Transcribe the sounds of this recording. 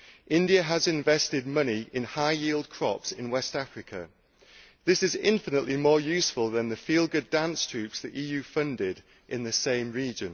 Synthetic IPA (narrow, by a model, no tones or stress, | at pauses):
ʔɪ̃ndiəəzɪ̃ɱvɛstɪd̚mʌniʔɪ̃nhaɪjiːlˠd̚kʰɹ̥ɒ̰psɪ̃nwɛstafɹɪkʰə̰ | ðɪsɪzɪ̰̃ɱfɪnəʔlimɔːjʉˑsfəlˠðə̃nðəfiːlˠɡədãnstʰɹ̥ʉˑpsðiʔiːjʉːfʌ̃ndɪd | ʔɪ̃nðəsẽɪ̃mɹiːd͡ʒə̃n